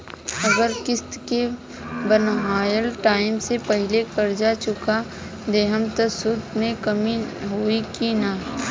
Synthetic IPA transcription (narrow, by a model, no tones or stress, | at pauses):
ɐɡəɾkɪst̪ke | bənɦaːjəlʈaːɪmsepɐɦɪlekɐɾd͡ʒat͡ʃʊka | d̪eːɦəmt̪əsʊt̪mẽkɐmiɦoːikina